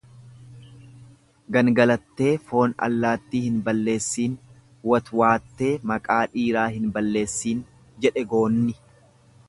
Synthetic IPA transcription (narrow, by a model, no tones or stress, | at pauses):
ɡɐnɡɐlɐt̪ːe̞ːfo̞ːnɐ̰lːaːt̪ːiːhɪnbɐlːe̞ːsːiːn | wɐt̪waːt̪ːe̞ːmɐkʼaːᶑiːɾaːɦɪnbɐlːe̞ːsːiːn | d͡ʒɛᶑɛɡo̞ːnːɪ